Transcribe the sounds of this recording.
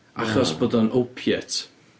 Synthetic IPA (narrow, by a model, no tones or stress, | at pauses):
a̰χɔsb̥odɔnʔowpʰjɛtʰ